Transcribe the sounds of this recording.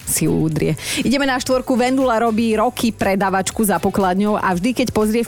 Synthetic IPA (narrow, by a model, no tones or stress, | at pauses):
siuːd̪ɾɪɛiɟɛmɛnaʃt̪ʋɔɾkuʋɛnd̪ulaɾɔbiːɾɔkʰipɾɛd̪aːʋat͡ʃkuzapɔklad̪ɲɔʊʔa̰vʒd̪ikɛcpɔzɾɪɛ